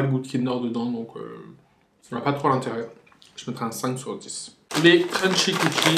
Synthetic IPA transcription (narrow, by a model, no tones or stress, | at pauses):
lebut̪kʲʰinəʁd̪əd̪ɑ̃d̪ɔ̃kʰø̰ | sɔnapat̪χoalɛ̃t̪eʁjœʁ | ʒ̥əmɛt̪χɛɛ̃sɛ̃ksyʁd̪is | let̪χɛ̃nʃikukʰi